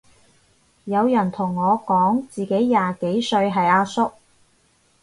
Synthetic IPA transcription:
jɐ˨˧wjɐ˨˩nt̪ʰʊ˨˩ŋːɔː˨˧kɔː˨˥ŋt͡siː˨ke˨˥jːaː˨ke˨˥jsɵ˧ɥɦɐ˨jaː˧sʊ˥k̚

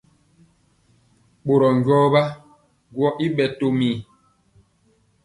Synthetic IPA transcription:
ɓo˨ɾɔ˨ŋ˨ɟɔː˦ba˦ | ɡwɔ˦ʔi˦ɓɛ˨to˨miː˨

